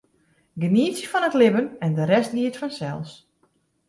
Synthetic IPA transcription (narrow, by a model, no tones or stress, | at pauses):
ɡəniəsəfɔnətlɪbənɛndəɾɛstdiːətfɔnsɛ̰lˠs